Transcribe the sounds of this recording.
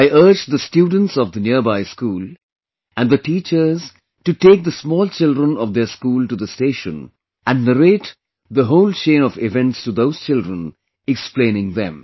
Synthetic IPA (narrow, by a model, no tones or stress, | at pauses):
aɪʔəɾd͡ʒd̪əsʈjuːɖ̃ⁿn̩ʈsɔvd̪əniəbaɪskuːl | æ̃nɖd̪əʈiːt͡ʃəɾz | ʈuʈeːk̚d̪əsmɔːlt͡ʃɪldɾə̃nɔʋd̪eɾskuːlʈud̪əsteːʃə̃n | ʔæ̃nɖnəɾeʈ | d̪əɦoʊlt͡ʃẽːnɔfɪvɛ̃nʈstud̪oʊz̥t͡ʃɪldɾə̃n | ɛksplẽnɪ̃ŋðɛ̰̃m